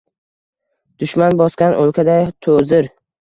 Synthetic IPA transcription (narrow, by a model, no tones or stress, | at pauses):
d̪̥ʊʃmanbɒskʲanʔolˠkʲʰad̪at̪ʰozɪɾ